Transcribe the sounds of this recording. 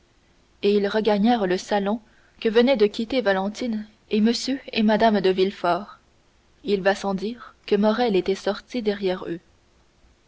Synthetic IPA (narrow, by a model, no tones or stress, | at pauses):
eilʁəɡaɲɛʁləsalɔ̃ | kəvənɛd̪əkʲit̪evalɑ̃t̪in | eməsjøemad̪amd̪əvilfɔːʁ | ilvasɑ̃d̪iːʁkəmɔʁɛlet̪ɛsɔʁt̪id̪ɛʁjɛʁø